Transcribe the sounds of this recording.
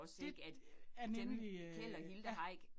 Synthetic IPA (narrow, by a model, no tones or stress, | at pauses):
ɒ̽seɡ̥æd̥ænenliel̰ɐhild̥əʁɑ̈ɪ̰ɡ̥